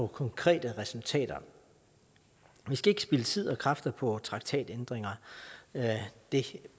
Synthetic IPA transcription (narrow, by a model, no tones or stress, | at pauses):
ɒ̽kʰɒ̽ŋkʰʁɛ̰ːd̥əʁɛsult͡sʰɛ̰ːd̥ɐ | ʋisɡ̥æe̝ɡ̥sb̥ilət͡sʰið̞̰ˠɒ̽kʰʁɑ̈fd̥ɐpʰɒ̽t͡sʰʁɑ̈ɡ̥̚t͡sʰɛ̰ːd̥end̥ʁeŋɐ | d̥e̝